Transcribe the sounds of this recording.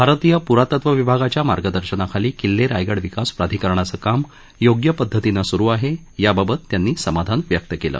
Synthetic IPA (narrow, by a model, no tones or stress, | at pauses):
bʱaɾt̪ijəpuɾat̪ət̪ʋəʋibʱaɡat͡ɕjama̰ɾɡəd̪əɾɕənakʰaliːkilːeɾajɡəɽʋikaspɾad̪ʱikəɾɳ̃at͡səːkam | joɡjəpəd̪ʱːət̪inasuɾuːaɦe | jababət̪ːjanːiːsəmad̪ʱanʋjək̚t̪əkelə̰ː